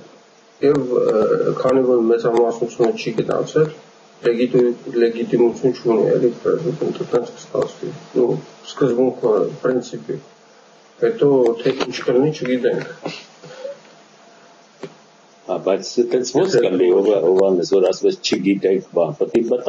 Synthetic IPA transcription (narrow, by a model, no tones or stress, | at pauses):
jɛvkʰɑnivɔɾmɛt͡sɑmɑsnut͡sʰjunət͡ʃʰiɡənɑ̰t͡sʰɛlː | ɛɡilɛɡit̪imut͡sʰjunt͡ʃʰunḭɛ̰likrɛ̰zid̪ɛnt̪ʰət̪ɛnt͡sʰkʰə̥st̪ɑ̰t͡sʰvḭnuskəzbuŋkʰəpɾint͡sʰipḭ | hɛt̪ɔt̪ʰɛʔint͡ʃʰkəlinit͡ʃʰəɡit̪ɛŋkʰ | hɑbɑjt͡sʰt̪ɛnt͡sʰvɔt͡skəliɔvɛɦɔvɑnɛsvɔɾɑsvɛt͡sʰt͡ʃʰəɡit̪ɛkʰbɑnpət̪ibət̪